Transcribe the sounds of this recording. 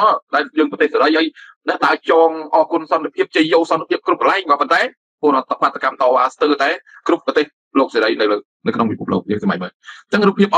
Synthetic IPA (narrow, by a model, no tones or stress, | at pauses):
ɔːɗaɛljəːŋpɑt̪eːhsaɾəjhaːjnɛ̆əʔt̪aət͡ɕɑːŋʔɑːkuənsɑnt̪epʰiəp̚t͡ɕəjːoːlsɑnt̪epʰiəp̚krup̚kəlaɛŋɓaːpont̪aɛ | poəɾoət̪pat̪ʰːakamt̪ɑːʋaːst̪əːt̪aɛkrup̚ːɑt̪eːh | loːk̚seːɾəjnɨwləː | nɨwkʰnoŋpipʰuəp̚lo̰ːk̚jəːŋsɑmaj̚mət͡ɕəŋruːpʰːiəp̚ʔ